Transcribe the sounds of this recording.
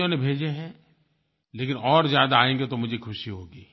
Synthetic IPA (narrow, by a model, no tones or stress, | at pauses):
õnebʱeːd͡ʒeɦɛ̃ | leːk̬ɪnɔːɾzjaːd̪aaːẽːŋɡet̪omʊd͡ʒʱekʰʊʃiɦoːɡiː